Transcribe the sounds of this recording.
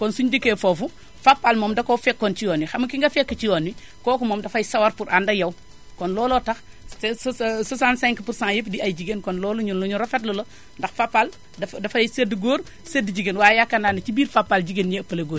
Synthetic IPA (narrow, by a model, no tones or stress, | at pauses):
kɔnsuɲdikːefofu | fapːalmoːmdɐkofɛkːɔnt͡ʃijɔnːixɐmɐkiŋɡɐfɛkːət͡ʃijɔnːi | kɔːkumoːmdɐfajsɐwaɾpuɾʔandɐjɐw | kɔnlɔːlɔtɐx | sssosantsɛ̃ŋkpuɾsãŋjepdiajd͡ʒiɡenkɔnlɔːluɲunluɲuɾɔfɛtlɐlo | ndɐxfapːal | ddɐfajsedɡoːɾ | sedd͡ʒiɡenwaːjakːanaːnɐt͡ʃibiːɾfapːald͡ʒiɡenjepɐleɡoːɾ